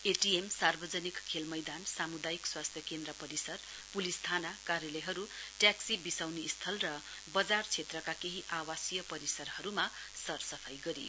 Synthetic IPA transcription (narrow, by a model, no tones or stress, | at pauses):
eʈiemsarbʌd͡zʌnikʰːelmʌjd̪ansamud̪ajikswast̪ʰjʌkend̪rʌpʌɾisʌr | pulist̪ʰanakaɾjʌleɦʌɾuʈjaksibisawniːst̪ʰʌlrʌ | bʌd͡zart͡sʰet̪rʌkakeɦiʔawasijʌpʌɾisʌrhʌɾuma | sʌrsʌpʰʌjɡʌɾḭ